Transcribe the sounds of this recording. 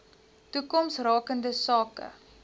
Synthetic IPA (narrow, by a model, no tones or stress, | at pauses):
tukɔmsrɑːkəndəsɑːkə̰